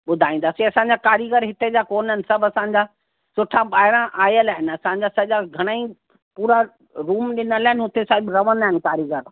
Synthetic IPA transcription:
ɓʊd̪ʱaːĩn̆d̪aːsiɐsãɲd͡ʑakaːɾjəɡəɾɦɪt̪ed͡ʑakoːnənɪ̆sɐbʱɐsãːɲ̆d͡ʑa | sʊʈʰãɓaːɦɪɾãʔaːjəlaːɦɪnɐsãɲ̆d͡ʑasɐʄaɡʱɐɽ̃ai | puːɾa | ɾuːmɗɪnəlaːɦɪnɦʊt̪esaːɦɪbɾɐʋənaːɦɪnkaːɾjəɡəɾ

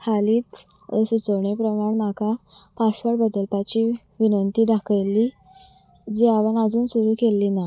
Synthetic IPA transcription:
kʰaliːt̪ | əsit͡səwɳepɾəmaɳm̤akapaɕʋəʈbəd̪əlpat͡ɕi | ʋinənt̪iːd̪akʰəjlːi | d͡ʑiaʋənad͡zuːnsuɾuːkelːiːna

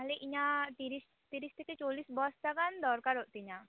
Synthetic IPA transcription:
ɦleʔiɲat̪iɾis | t̪iɾist̪ʰeket͡ʃolisbɔst̪akand̪ɔɾkaɾɦoʔt̪iɲa

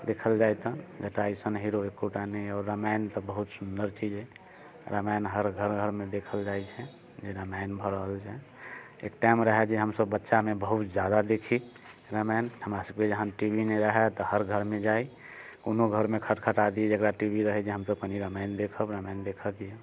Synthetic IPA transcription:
d̪ekʰəld͡ʒajt̪əd͡ʒəʈaisənɦiɾoekːoʈaniɔːɾːamaɪnt̪ɔbəɦut̪sund̪əɾt͡ʃid͡ʒɛ̃ | ɾamanɦəɾɡʱəɾɡʱəɾmẽd̪ekʰəld͡ʒajt͡ʃʰɛ | d͡ʒeɾamaɪnbʱəɾəɦəlt͡ʃʰɛ | ḛk̚ʈajmɾəɦɛt͡ʃɛɦəmsəbːətːʃamebəɦut̪d͡ʒjad̪ad̪ekʰi | ɾamanhəmɾasəb̚ked͡ʒəɦãʈibʱineɾəɦɛt̪ɔɦəɾɡʱəɾmed͡ʒai | konoɡʱəɾmekʰəʈkʰəʈad̪id͡ʒəɡɾaʈibiɾəɦɛt͡ʃʰiɦəmsəb̚kəniɾəmaɪnd̪ekʰəbɾamaɪnd̪ekʰək̪ije

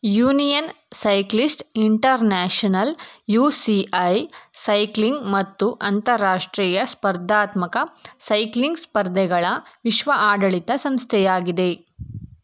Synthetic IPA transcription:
juːnijɐnsɐjklisʈiɳʈɐɾnaːʂɐnɐljuːsiʔɐjsɐjkliŋɡmɐt̪ːuʔɐnt̪ɐɾːaːʂʈɾiːjɐspɐɾd̪ʱaːt̪mɐkɐsɐjkliŋɡspɐɾd̪ʱɛɡɐɭɐʋiʃʋɐʔaːɖɐɭit̪ɐsɐmst̪ʰɛjaːɡid̪e̞

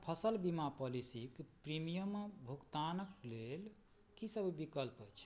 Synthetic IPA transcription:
pʰəsəlbimapɔlisikpɾimijəmbʱukt̪anəklel | kisəbʱbikəlpəjt͡ʃʰ

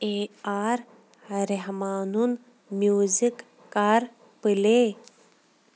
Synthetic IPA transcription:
eːaːɾ | ɾeɦmaːnun | mjuːzikː | aɾ | pɨle

